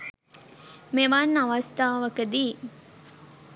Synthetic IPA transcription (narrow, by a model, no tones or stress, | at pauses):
meʋanːɐʋɐst̪aːʋɐkəd̪iː